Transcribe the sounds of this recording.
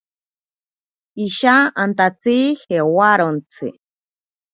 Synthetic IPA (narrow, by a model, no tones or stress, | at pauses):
iʃaant̪at͡siːhewaɾont͡sʰɨ̰